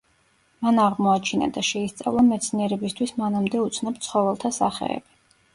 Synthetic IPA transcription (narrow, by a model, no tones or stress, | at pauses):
manaʁmɔat͡ʃʰina̰d̪aʃɛist̪sʼa̰vlˠamɛt̪sʰniɛɾɛbist̪ʰwismanamd̪ɛut̪sʰnɔpt̪sʰχɔvɛlˠt̪ʰasa̰χɛ̰ɛ̰bi